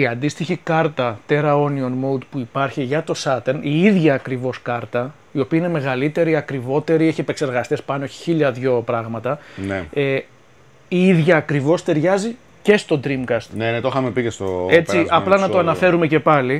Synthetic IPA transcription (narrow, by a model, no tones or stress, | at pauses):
iɐnd̪ist̪içikɐɾt̪ɐt̪e̞ɾɐo̞nionmoud̪puipɐɾçiʝɐt̪o̞sɐt̪eniiðʝɐːkɾivo̞skɐɾt̪ɐ | io̞piɐineme̞ɣɐlit̪e̞ɾiɐkɾivo̞t̪e̞ɾieçiepekse̞ɾɣɐst̪espɐnoçi̥çiʎɐðʝo̞pɾɐɣmɐt̪ɐnee | iiðʝɐːkɾivo̞st̪e̞ɾʝɐzi | ce̞st̪o̞d̪ɾimkɐst̪nenet̪oxɐmepicest̪oe̞t͡siʔɐplɐnɐoɐnɐfe̞ɾumece̞pɐli